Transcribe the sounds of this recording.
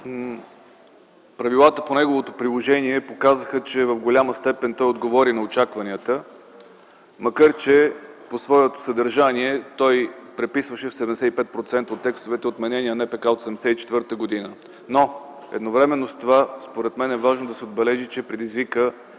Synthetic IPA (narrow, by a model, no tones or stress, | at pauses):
pɾɐvilˠat̪əponɛɡovot̪opɾilˠoʒɛniɛpokazəxət͡ʃɛvɐvɡolʲaməst̪ɛpɛnt̪ɔjod̪ɡovɔɾinɐot͡ʃakvɐnʲiət̪ə | mɐkaɾt͡ʃɛposvɔɛt̪o̥səd̪əɾʒaniɛt̪ɔjpɾɛpisvəʃɛfsɛd̪ɛmd̪ɛsɛipɛt̪̚pɾot̪sɛnt̪ot̪ːɛkst̪ovɛt̪ɛot̪mɛnɛniənɛpɛkaot̪sɛd̪ɛmd̪ɛ̥sɛit͡ʃɛ̥t̪vɤɾt̪əɡod̪inə | no | ɛ̰d̪novɾɛmɛnːost̪ovaspoɾɛt̪mɛnɛvaʒnod̪ɐsɛod̪̚bɛlɛʒit͡ʃɛpɾɛd̪izvikə